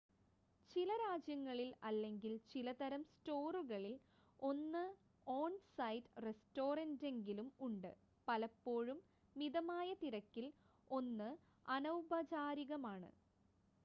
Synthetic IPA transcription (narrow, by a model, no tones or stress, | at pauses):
t͡ɕilɐɾaːd͡ʑjɐŋːɐɭilɐlːe̞ŋɡilt͡ɕilɐt̪ɐɾɐmsto̞ːruɣɐɭil | o̞nːɨ | oːnsɐjtresto̞ːrɐnde̞ŋɡilumuɳɖɨ̰ | pɐlɐpːo̞ːɻumː | iðɐmaːjɐt̪iɾɐkːil | o̞nːɨ | ɐnɐwbʱɐd͡ʑaːɾiɣɐmaːɳɨ̰